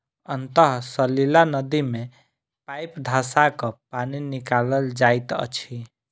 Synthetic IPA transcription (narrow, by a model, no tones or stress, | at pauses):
ənt̪əɦsəlilanəd̪imẽ | paɪpd̪ʱasakəpaninikaləld͡ʒajt̪ə̰t͡ʃʰi